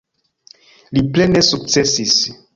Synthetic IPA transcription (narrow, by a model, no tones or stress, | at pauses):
liple̞nesuk̚t͡se̞sis